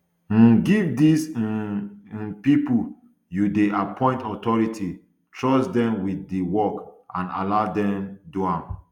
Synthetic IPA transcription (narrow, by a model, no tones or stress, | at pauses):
ɡivdis | ĩnpipu | judeʔapʰɔ̃ɪ̃ntɔtɔɹitʰi | tʰɹɔsdɛ̃mwiθdiwɔkã̰na̰ladɛ̃mduãm